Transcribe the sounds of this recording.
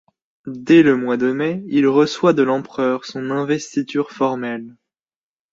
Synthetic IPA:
d̪ɛləmwad̪əmɛilʁəswad̪əlɑ̃pχœːʁsɔ̃nɛ̃vɛst̪it̪yːʁfɔʁmɛl

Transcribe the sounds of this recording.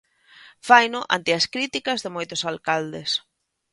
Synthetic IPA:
fajnʊʔa̰nt̪ɪaskɾit̪ikɐzðemojt̪ʊsalkald̪es

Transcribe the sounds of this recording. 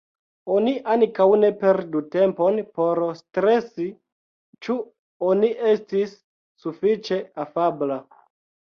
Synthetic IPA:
o̞niʔaŋkawne̞pe̞ɾdute̞mpo̞npo̞ɾstɾe̞si | t͡ʃu | oniʔe̞stisː | ufit͡ʃe̞afabla

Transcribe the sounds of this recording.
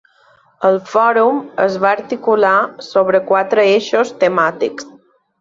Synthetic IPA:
əlˠfɔɾuməzβaəɾt̪ikulasoβɾəkwat̪ɾəeʃost̪əmat̪iks

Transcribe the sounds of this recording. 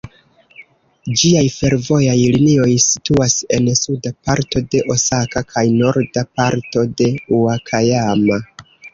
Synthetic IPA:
d͡ʒiajfe̞ɾvo̞jajlinio̞jsi̥tuase̞nsudapaɾto̞de̞ʔo̞sakakʰajno̞ɾdapaɾto̞de̞uakʰajama

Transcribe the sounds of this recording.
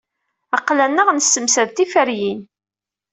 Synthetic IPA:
ɑqːlænːəʁnəsːəmsæðt̪ifəɾjin

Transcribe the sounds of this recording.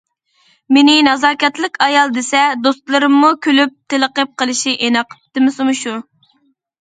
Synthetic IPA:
menɪnɑzɑːkʲɛt̪lˠɪkʲɑjɑlˠd̪esɛd̪ost̪lˠɨɾɨmːukʲʰølyp̚t̪ʰeləqəp̚qəlˠɨʃiʔenɑqʰəp̚t̪ɨmɪsɨmuʃu

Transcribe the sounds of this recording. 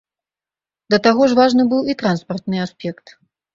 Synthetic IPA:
d̪ɐt̪aɣɔʐvaʐnɨbɨwit̪ɾanspɐrt̪nɨaspʲɛkt̪

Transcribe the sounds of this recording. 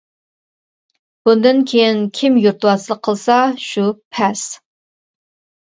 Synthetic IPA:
b̥und̪ɨnkʲʰejinkʲʰimjuɾt̪ʰwɑslˠəqʰːəlˠsɑʃupʰɛs

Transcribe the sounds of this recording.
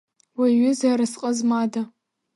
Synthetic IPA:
waɥɪzaɾasqʼəzmada

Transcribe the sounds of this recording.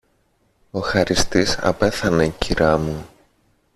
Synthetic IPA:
o̞xɐɾist̪isɐ̰pe̞θɐne̞ciɾɐmu

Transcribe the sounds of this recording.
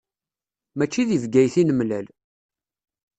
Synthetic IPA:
mæt͡ʃːiðivɡæjθinəmlæl

